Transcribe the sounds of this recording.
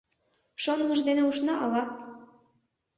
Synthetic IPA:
ʃonməʒd̪eneuʃnɑʔɑlɑ

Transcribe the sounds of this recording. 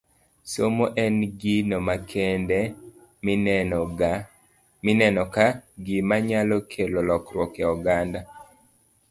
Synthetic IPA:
somoʔɛnɡinɔmakʰɛndɛ | inɛnɔkaɡɪmaɲalɔkʰelolɔkɾwɔkɛɔɡanda

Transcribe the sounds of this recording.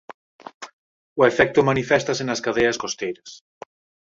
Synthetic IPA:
ʊefɛk̚t̪ʊmanifɛst̪asenɐskað̞ejɐskost̪ejɾɐs

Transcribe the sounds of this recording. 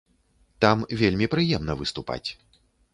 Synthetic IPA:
t̪amvʲelʲmʲipɾɨjɛmnɐvɨst̪upa̰t͡sʲ

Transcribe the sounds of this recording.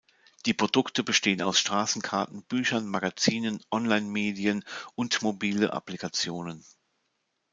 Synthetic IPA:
d̥iːpʁ̥odʊktəbəʃteːənaʊsʃtʁ̥aːsn̩kʰaɐtn̩b̥yːçɐnmaɡat͡siːnənʔɔnlaɪnmeːdiənʔʊntmobiːləʔa̰plikʰat͡sjoːnən

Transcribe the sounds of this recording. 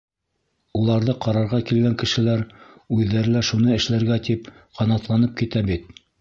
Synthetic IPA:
ulˠɑɾðɤqɑɾɑɾʁɑkilɡæŋkɘ̆ʃɘ̆læɾʉðːæɾlæʃunɤɘ̆ʃlæɾɡæt̪ip | qʰɑnɑt̪lˠɑnɤp̚kit̪æbit̪̚

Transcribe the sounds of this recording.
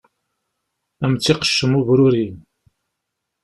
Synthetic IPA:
æmt͡sːiqə̥ʃːəmuvɾʊɾin

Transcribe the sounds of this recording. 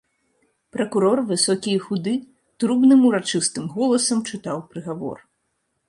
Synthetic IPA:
pɾɐkuɾɔrvɨsɔkʲijxud̪ɨ | t̪ɾubnɨmuɾat͡ʂɨst̪ɨmɣɔlˠɐsɐmt͡ʂɨt̪awpɾɨɣavɔ̰r

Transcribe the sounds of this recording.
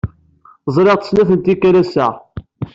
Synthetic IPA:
zˤɾeʁt̪ə̥snæθənt̪ikːæɾæsæ

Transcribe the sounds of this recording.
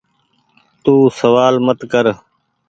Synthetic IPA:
t̪uːsəʋaːlmət̪kəɾ

